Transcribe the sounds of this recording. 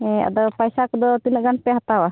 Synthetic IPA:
ɛa̰d̪ɔpajsakɔd̪ɔt̪inəʔɡanpɛɦat̪awa

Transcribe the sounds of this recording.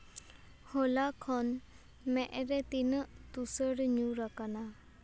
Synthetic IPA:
hɔlakʰɔn | mɛʔɾɛt̪inəʔt̪usəɽɲuɾakana

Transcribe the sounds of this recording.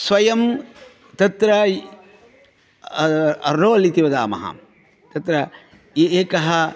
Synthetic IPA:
sʋɐjɐm | t̪ɐt̪ɾɐ | ɐ̰ɾoːɐlit̪iʋɐd̪aːmɐ̰ɦɐ̰ | t̪ɐt̪ɾɐ | eeːkɐɦɐ

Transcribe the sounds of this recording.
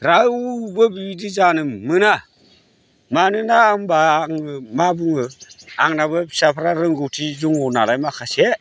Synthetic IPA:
ɾawubəbibidid͡ʒanəmɨna | maninaːŋbaŋəmabuŋəaŋnabəsapɾaɾəŋɡutid͡ʒuŋunalajmaxase

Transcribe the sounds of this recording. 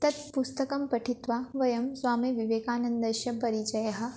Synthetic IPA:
t̪ɐt̪̚pust̪ɐkɐmpɐʈʰit̪ʋaːʋɐjɐmsʋaːmiʋiʋeːkaːnɐnd̪ɐʃjɐpɐɾit͡ʃɐjɐɦɐ̆

